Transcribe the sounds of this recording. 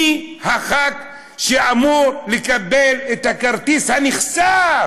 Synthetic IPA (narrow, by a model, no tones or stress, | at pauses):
haχak | ʃeamoɾlikʼabelet̪akaɾt̪ishaniχsaɾ